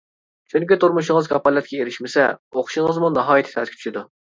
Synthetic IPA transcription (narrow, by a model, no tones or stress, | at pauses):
t͡ʃʰuŋkʲit̪ʰuɾmuʃɪŋəzkʰɑpɑlˠɛt̪̚kʲɛeɾɪʃmɪsɛ̰oχʃiŋəzmunɑɦɑːjit̪ʰɪ̥t̪ʰɛt̪kʲʰt͡ʃʰy̥ʃɪd̪u